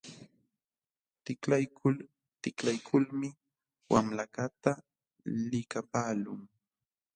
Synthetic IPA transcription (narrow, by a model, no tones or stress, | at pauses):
t̪ɪklajkʰʊl | t̪ɪklajkʰʊlmɪ | wamlakat̪a | lɪkapaːlʊŋ